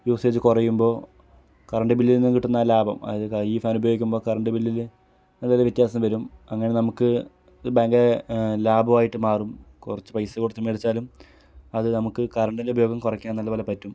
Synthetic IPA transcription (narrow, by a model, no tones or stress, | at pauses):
juːse̞ːt͡ɕːɨkurɐjːumbo̞ː | kɐrɐɳɖɨbilːilnːikiʈːunːɐlaːbɐ̰mɐ̰ðɨiːfaːnubɐjo̞ːɡikʲːumbo̞ːkɐrɐɳɖɨbilːil | nɐlːolɐʋit̪jaːsɐnːʋɐɾumɐŋːɐne̞nɐmukːɨ | ɨbeːŋɡɐlaːbɐʋaːjiʈːɨmaːrumkurɐt͡ɕːɨ̥pɐjsɐkuɽɐt̪ːɐmːeɽit͡ɕːaːlum | ɐðɨnɐmukːɨkɐɾɐɳɖindeubʱɐjo̞ːɡɐmkurɐkʲːaːnɐlːɐʋɐlɐpɐtːum